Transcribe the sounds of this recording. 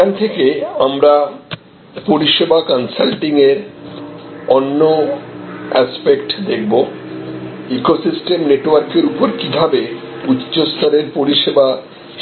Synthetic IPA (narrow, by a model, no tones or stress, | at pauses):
ant̪ʰekeamɾa | poɾiʃebakɔnsalʈiŋeɾ | ɔnːo | ɛspekʈd̪ek̚ʰbo | ikosisʈemneʈowaɾkeɾupoɾkibʱabe | utːɕost̪ʰɔɾeɾpoɾiʃeba